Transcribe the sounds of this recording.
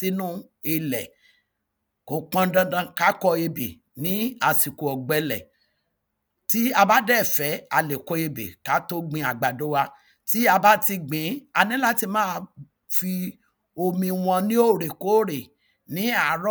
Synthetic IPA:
i˦nũ˦ | i˧lɛ˨ | ko˨˦k͡pã˦˧dã˦dã˧ka˦kɔ˧e˧bḛ˨ | nĩ˨˦a˧˨si˨ko˨ɔ˨ɡ͡bɛ˧lɛ̰˨ | ti˦a˧ba˦dɛ˦˨fɛ˨˦a˧le˨kɔ˧e˧bḛ˨ka˨˦to˦ɡ͡bĩ˧a˨ɡ͡ba˨do˨˦wa˧ | ti˦a˧ba˦ti˧ɡ͡bĩ˨˦a˧nĩ˦la˦ti˧mãː˦˧ | fi˧ | o˧mĩ˧w̃ɔ̃˧nĩ˦o˦˨ɾe˨ko˨˦ɾe˨ | nĩ˨˦a˨˦ɾɔ˦

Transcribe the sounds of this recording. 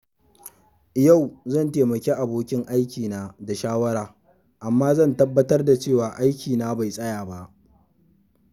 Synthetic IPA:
ja˦˨wzɐ˦˨nteː˨mɐ˨kʲeː˦ʔa˨boː˦kʲɪ˦ŋʔa˦jkʲiː˨naː˦da˨ʃaː˦wɐ˦ɾaː˨ | ʔa˨mːaː˦zɐ˦˨ntɐ˦bːɐ˦tɐ˦rda˨t͡ʃeː˦˨waː˨ʔa˦jkʲiː˨naː˦ba˨jsʼɐ˦jaː˨ba˦ʔ

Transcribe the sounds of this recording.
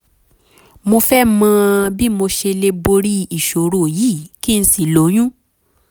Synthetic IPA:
mo˧fɛ˦mã˧bi˦mo˧ʃe˧le˧bo˧ɾi˦i˨ʃo˨ɾo˨jiː˨˦˨ki˦˧n̩˦si˨lo˨˦j̃ũ˦

